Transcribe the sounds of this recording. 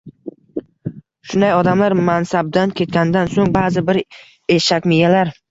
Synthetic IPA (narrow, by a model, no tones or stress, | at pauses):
ʃʊnd̪ajɒd̪amlaɾmansab̚d̪ankʲʰe̞t̪̚kʲanɪd̪ansoŋbaːzɪbɪɾ | eʃakʲmɪjalaɾ